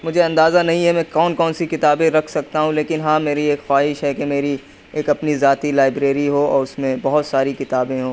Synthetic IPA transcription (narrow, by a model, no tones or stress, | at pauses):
mʊd͡ʒʱeɐ̃nd̪aːzanɐɦĩɦɛ̃mɛ̃kɔːnkɔːnsikɪt̪aːbẽɾɐkʰsɐk̚t̪aɦũleːkɪnɦãːmeːɾieːkxwaːɦɪʃɦɛkemeːɾi | eːkɐpnizaːt̪ilaːɪbɾeːɾiɦoɔ̰ːɾʊsmẽbɐɦʊt̪saːɾikɪt̪aːbẽɦoː